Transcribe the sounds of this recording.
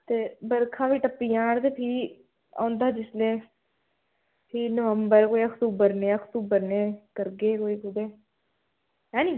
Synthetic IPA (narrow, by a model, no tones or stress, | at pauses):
t̪eːbəɾkʰãːʋiːʈəpːiːjãːɳt̪eːpʰiː | ã̰ːnd̪aːd͡ʒɪslẽː | pʰiːnəʋəmbəɾkoːiəkʰt̪uːbəɾnẽːəkʰt̪uːbəɾneːkəɾɡeːkoːiːkʊd̪eː | ɦɛ̃ːnĩː